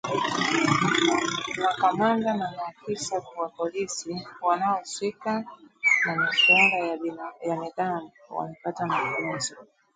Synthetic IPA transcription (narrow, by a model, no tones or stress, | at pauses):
wakamandanamakisafwapolisiwanaɔswikanamiʃɛŋɡanjamiðan | wa̰napatamakuzɔ